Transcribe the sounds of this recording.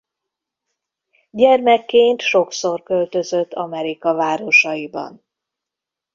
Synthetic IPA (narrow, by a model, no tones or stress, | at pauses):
ɟɛrmɛkːeːnt̪ʃo̞kso̞rkø̞lt̪ø̞zøt̪ːɒmɛɾikɒvaːɾo̞ʃɒjibɒ̰n